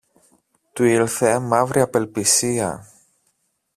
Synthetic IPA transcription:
t̪uilθemɐvɾiɐpe̞lpisiɐ̰

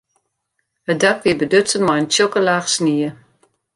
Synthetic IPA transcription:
hədakʋiəbədøsənmɔjəntjokəlaːxsniə

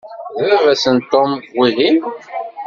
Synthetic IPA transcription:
ðvævæsənt̪ːomwiðin

